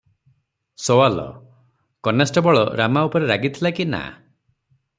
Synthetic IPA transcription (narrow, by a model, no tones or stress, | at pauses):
sowalɔ̰ | kɔnesʈɔbɔɭɔɾamaupɔɾeɾaɡit̪ʰilakina̰